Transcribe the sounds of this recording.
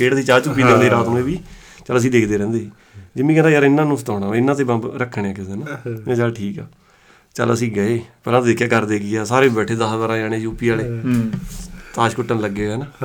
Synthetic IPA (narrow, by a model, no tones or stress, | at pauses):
keːɽəsĩːt͡ʃaːt͡ʃuːpːiːd͡ʒə̃nd̪eːɾaːt̪nũːeːbiː | t͡ʃələs̬ĩːd̪eːkʰd̪eːɾɛ̃ːnd̪eːiː | d͡ʒɪmĩːkɛ̃ːnd̪ajəɾɪnːãːnũːsət̪aːɽaːɪnːãːt̪eːbãːbɾəkʰːɳeaːkɪseːnaɛ̃ːt͡ʃaːlʈʰiːkɛː | t͡ʃə̰ləsĩːɡəeːpəɾaːt̪ːd̪eːkʰjaːkəɾd̪eːɡɪjaːsaːɾeːbɛːʈʰeːd̪əsbəːɾãːd͡ʒaːɽ̃eːd͡ʒuːpːiːaːleː | t̪aːʃkʊʈːənləɡːeːɛːnaː